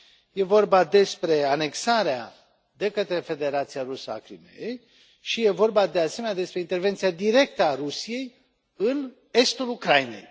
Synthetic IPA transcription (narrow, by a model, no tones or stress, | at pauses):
je̞vo̞rbad̪e̞spɾe̞ane̞ksaɾea | d̪e̞kət̪ɾe̞fe̞d̪e̞ɾat̪sijaɾusəa̰kɾimḛjej | ʃije̞vo̞rbad̪e̞ase̞me̞njad̪e̞spɾe̞int̪erve̞nt̪siad̪iɾe̞k̚t̪əaɾusije̞j | ɨn | e̞st̪ulukɾajinḛj